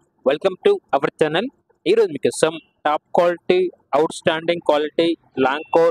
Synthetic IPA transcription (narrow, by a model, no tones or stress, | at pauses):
ʋɛlkɐmʈuɐʋɐɾt͡ʃɐnɐl | iɾomikɐsɐm | ʈaːp̚kwaːlɪʈi | ɐʊʈsʈãːɳɖɪ̃ŋɡ̚kwaːlɪʈi | lãːŋkoː